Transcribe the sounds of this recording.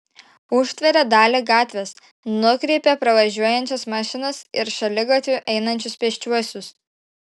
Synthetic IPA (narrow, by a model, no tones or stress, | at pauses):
ʊʃʲt̪ʲʋʲɛɾʲɛd̪ɑːlʲɪɡɑːt̪ʲʋʲes | nʊkɾʲɛɪpʲɛpɾɐʋɐʒʲuɔjɛnʲt͡ʃʲɛsmɑːʃʲɪnɐsɪɾʃɐlʲɪɡɐt̪ʲʋʲʊʔɛɪnɐnʲt͡ʃʲʊspʲɛʃʲt͡ʃʲuɔsʲʊs